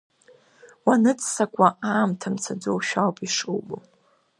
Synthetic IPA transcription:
wanɨt͡sʼsakʷʼaʔaːmtʰamt͡sʰad͡zowʃᶣawpʼiʂuwbo

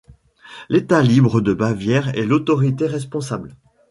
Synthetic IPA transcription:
let̪alibʁəd̪əbavjɛʁɛlot̪ɔʁit̪eʁɛs̬pɔ̃sabl

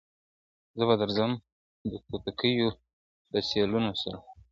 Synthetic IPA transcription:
zəbad̪əɾzəm | d̪əkot̪akəjo | d̪asɑlunosaɾa

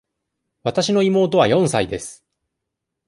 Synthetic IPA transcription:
βat̪aɕino̞imo̞ːt̪o̞β̞ajõ̞ɰ̃said̪e̞sɨ̥

